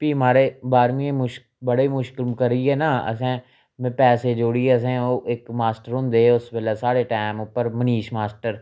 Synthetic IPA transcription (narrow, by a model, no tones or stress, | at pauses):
piːɦmaːɾeːbaːɾmiẽːmʊʃ | bəɽeːmʊʃkɪlmkəɾiɛːnaːə̰sɛ̃ː | mɛ̃ːpɛːseːd͡ʒoːɽiːeːəs̬ɛ̃ːoːʔɪkmaːsʈəɾɦʊ̃ːnd̪eːʊsbəlaːsaːɽeːʈaːmʊpːəɾməniːʃmaːsʈəɾ